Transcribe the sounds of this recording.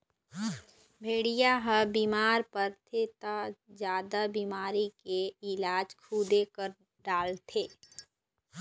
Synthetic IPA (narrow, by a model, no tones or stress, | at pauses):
bʱeːɽijaɦəbiːmaːɾpəɾt̪ʰet̪ad͡ʒjaːd̪abiːmaːɾikeɪlaːd͡ʒkʰuːd̪ekəɾ | ɖaːlt̪ʰeː